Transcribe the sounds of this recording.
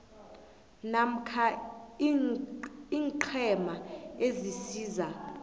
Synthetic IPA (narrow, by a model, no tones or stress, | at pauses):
nam̩kʰa | iːŋǃʰɛmaezisiːza